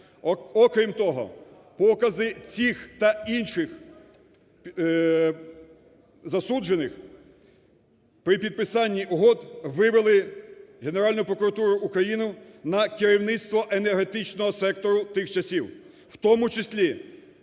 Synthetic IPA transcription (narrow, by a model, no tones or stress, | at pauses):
ɔkɾʲimt̪ɔɦɔ̰ | pɔkɐzɪt͡sʲixt̪ɐinʃɪx | zɐsud͡ʒenɪx | pɾɪpʲid̪̚pɪsɑnʲːiʊɦɔd̪ʋɪʋelˠɪɦe̞neɾɑlʲnʊjʊpɾɔkʊɾɐt̪uɾʊjʔːkɾɐjinʊnɐkɪɾʲiwnɪt̪st̪ʋɔʔenerɦe̞t̪ɪt͡ʃnɔɦɔsɛk̚t̪ɔɾʊt̪ɪxt͡ʃɐsʲiw | wt̪ɔmʊt͡ʃɪsʲlʲi